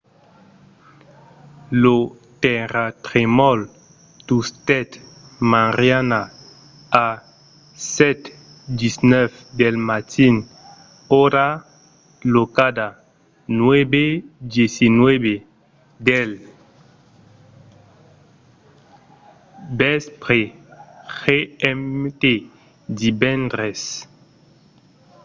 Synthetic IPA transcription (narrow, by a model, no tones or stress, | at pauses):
lo | tɛɾat̪ʁemɔl | tust̪ɛt̪ | mãʁjana | a | sɛt̪ | disnɛfdɛlmat̪ʰin | oɾa | lokada | nwɛbedjesinwɛbe | dɛl | bɛspʁexeɛmt̪e | dibɛnd̪ʁɛs